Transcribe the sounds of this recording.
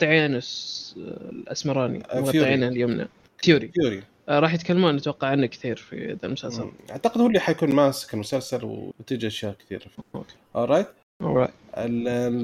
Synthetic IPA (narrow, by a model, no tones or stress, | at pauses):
t̪ˤːɨʕeːnas | lʔa̰smɑɾˤɑːnḭɣɑt̪ːˤɪʕiːnaljoːmna̰ | fjuːɾifjuːɾi | ɾˤɑːħjɪt̪kalːamuːnːat̪wɑqːɑʕanːakθiːɾfḭa̰d̪almʊsalsalʔa̰ʕt̪aqɪd̪huːlːiħajakuːnmaːsɪ̥kɪlmʊsalsalw̰t̪ɪd͡ʒaʃjaːʔkt̪ḭːɾo̰ke̥ʔoˤɑjt̪ | ʔolˤɑ̰jt̪ʔɪl